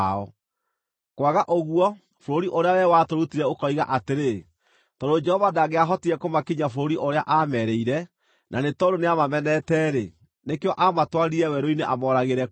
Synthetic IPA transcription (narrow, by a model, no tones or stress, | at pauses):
ɔ | kwaɣaʔoɣwɔ | foɾoɾiʔoɾeawɛwatoɾutiɾɛokɔiɣaʔateɾe | tɔdod͡ʒɛhɔvadaɣeaɦɔtiɛkomakiɲafoɾoɾiʔoɾeaʔamɛɾɛiɾɛ | nʔanetɔdoneamamɛnɛtɛɾe | nekeɔʔamatwaɾiɾɛwɛɾoineʔamɔːɾaɣeɾɛ